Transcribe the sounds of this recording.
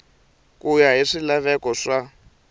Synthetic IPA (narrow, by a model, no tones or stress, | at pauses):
kujaɦiʂilaβɛkɔʂa